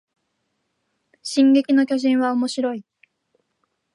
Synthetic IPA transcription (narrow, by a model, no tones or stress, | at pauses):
ɕĩŋɡe̞kʲino̞kʲo̞ʑĩɰ̃βaomo̞ɕiɾo̞i